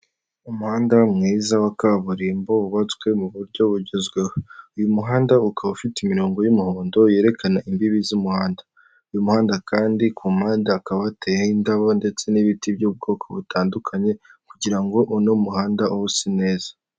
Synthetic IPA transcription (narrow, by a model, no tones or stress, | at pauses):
umuhaːndamŋiːzawakaβuɾimbo̞βuβat͡swe̞muβuɾɟo̞βuɾɟezɡwehoujumuɦaːndaukʰaβufiteimiɾo̞ːŋɡo̞jumihoːndo̞je̞ːɾe̞kʰanaʔimbiβizumuhaːndḁ | ujumuhaːndakʰaːndikʰumaːndaːkaβatʰehaindaβo̞nde̞t͡se̞niβitibjub̚ɡo̞ːkʰo̞βutʰaːndukʰaɲe̞kuɟiɾaŋɡo̞ʔunomuhaːndaʔuusine̞ːzḁ